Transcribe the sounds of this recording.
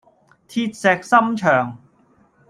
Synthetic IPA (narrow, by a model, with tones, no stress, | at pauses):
t̪ʰiː˧t̪̚sɛː˨k̚sɐ˥mt͡ʃʰœː˨˩ŋ